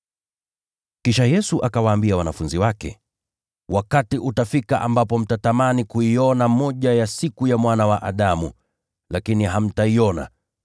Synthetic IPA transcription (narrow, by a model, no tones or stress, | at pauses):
kiʃajɛsuʔakawaːmbiawanafunziwakɛ̰ | wʔakatiʔutafikaʔa̰mbapɔm̩tatamanikuiɔnamɔʄajasikujamwanawaʔaɗamu | lakiniɦam̩taiɔna̰